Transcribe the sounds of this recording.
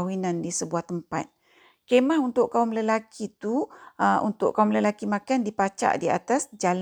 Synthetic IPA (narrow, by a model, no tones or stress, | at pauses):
winandisəbuaht̪əmpa̰t̪̚ | kemaɦunt̪ʊʔkaumləlakʰit̪uəṵnt̪ʊ̰ʔkaumləlakimãkandipat͡ʃa̰ʔdia̰t̪asd͡ʒal